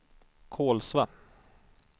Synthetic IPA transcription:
kʰoːlsva

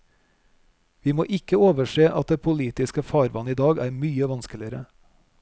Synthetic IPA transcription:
ʋiːmo̰ːʔɪkəoːʋəʃeːʔɑt̪̚d̪eːpʰʊliːt̪ɪskəfɑːɾʋɑ̰nəiːd̪ɑːɡæːɾmyːəʋɑnskəlɪəɾə

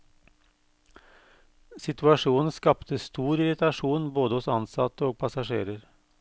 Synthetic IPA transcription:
sɪt̪ʰʉɑʂuːnn̩skɑpt̪əst̪uːɾɪɾɪt̪ɑʂuːnboːd̪əhʊsɑnsɑ̰t̪əoːɡ̚pʰɑsɑʂeːɾəɾ

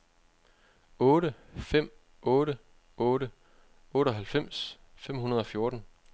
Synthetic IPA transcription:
ɔ̽ːɾəfem̰ | ɔːɾə | ɔːɾə | ɔ̽ːɾ̥əɒ̽ɦælfem̰s | fem̰hunɐð̞ˠɒ̽fjo̝ɐd̥n̩

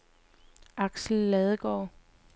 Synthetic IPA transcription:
ʔɑ̈ɡ̥sl̩ːɛðˠəɡ̥ɒ̰ː

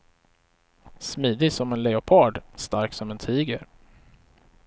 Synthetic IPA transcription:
smiːd̪ɪsɔmɛnlɛʊpʰɑːɖst̪aɾksɔmɛnt̪ʰiːɡə̰ɾ

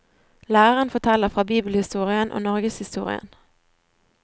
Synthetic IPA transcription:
læːʁəʁənfɔʈʰɛlːəfʁɑːbiːbəlhɪst̪uːʁɪənʔo̰ːnɔʁɡəshɪst̪ṵːʁɪ̰ə̰n

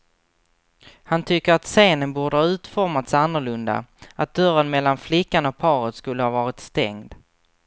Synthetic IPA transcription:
hant̪ʰʏkːəɾat̪seːnənbuːɖəhɑːʉ̟ːt̪fɔɾmat̪sanːəɭɵnd̪a̰at̪̚d̪œɾənmɛlːanflɪkːanɔk̚pʰɑːɾət̪skɵlːəhɑvɑːɾɪt̪st̪ɛ̰ŋd̪

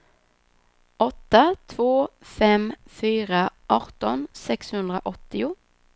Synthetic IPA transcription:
ʔɔt̪ːət̪ʰvoːfɛmfyːʁəʔɑʁt̪ɔnsɛkshʉnd̪ʁəʔɔt̪ːɪʊ

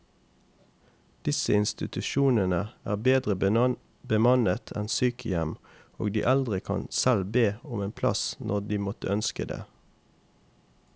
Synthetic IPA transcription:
d̪̥ɪsəɪnst̪ɪt̪ʉʃuːnənəæ̰ːʁbeːd̪ʁə | bəmɑnət̪ʰɛnsyːkʰəjɛm | o̰ːɡd̪iːʔɛld̪ʁɪkʰɑ̰nsɛlbeːɔmeːnpʰlɑ̰snʔɔʁd̪iːmɔt̪ə̰œnskəd̪ḛː

